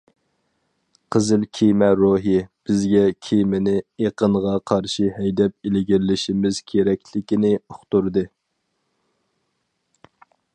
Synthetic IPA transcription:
qʰəzɨlkʲʰijmɛɾoɦib̥ɪzɡʲɛkʲʰijmɪnɪeqʰənʁɑqʰɑɾʃiɦɛjd̪ɛp̚ilɪɡʲiɾlɪʃimɪz̥kʲʰeɾɛkʲlɪkʲinɪʊχt̪uɾd̪ɨ

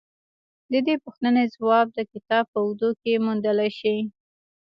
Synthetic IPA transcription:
d̪əd̪epəxt̪ənezwɑb̚d̪əkɪt̪ɑb̚pəd̪okemund̪əlajʃi

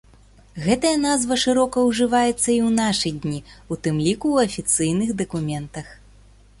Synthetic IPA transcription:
ɣɛt̪ɐjɐnazvɐʂɨɾɔkɐwʐɨvajɛt̪sːɐiwnaʂɨd̪ʲnʲiut̪ɨmlʲikuːɐfʲit̪sɨjnɨxd̪ɐkumʲɛnt̪ɐx

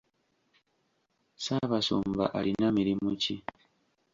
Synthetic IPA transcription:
saβasṵːmba̰ʔalinamiɾimuci

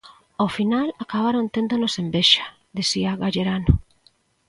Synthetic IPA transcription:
ofinalakaβaɾont̪end̪onosembeʃḁ | ðisiaɣaʎeɾano

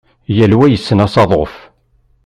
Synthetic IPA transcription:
jælwæjəsːənæsɑðˤof

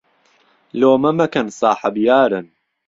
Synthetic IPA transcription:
loːmɐmɐkɐnsˤɑːħɐbjaːɾɨn

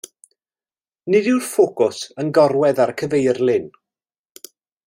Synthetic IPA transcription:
nɪdɪwrfokʊsənɡɔɾwɛðaɾəkʰəvejrlɪn

